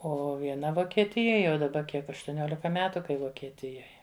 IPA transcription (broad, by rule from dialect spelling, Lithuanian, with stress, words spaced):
ˈoː ʋʲiɛˈnɐ ʋoːkʲiɛˈtʲɪjoːj jɛʊ dɐˈbɐ ˈkʲiɛk ɐʃtʊˈnʲoːlʲɪkɐ ˈmʲæːtʊ kɐɪ ʋoːkʲiɛˈtʲɪjoːj